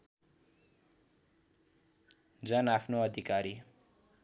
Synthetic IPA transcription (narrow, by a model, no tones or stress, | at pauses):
d͡zʌnapʰnoʌd̪ʱikaɾi